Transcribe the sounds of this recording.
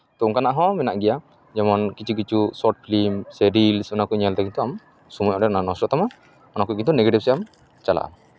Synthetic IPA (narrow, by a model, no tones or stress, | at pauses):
t̪ɔuŋkanaʔɦɔ̃mɛnaʔɡɛja | d͡ʒɛmɔnkit͡ʃʰuk̬it͡ʃusɔɾʈ̚pʰlimsɛɾilsɔnakuɲalt̪ɛɡint̪uam | sumujɔɖɛɔnanɔ̃sʈɔʔt̪ama | ɔnakuɡint̪unɛɡeʈib̚sɛam | t͡ʃala̰ʔa̰ma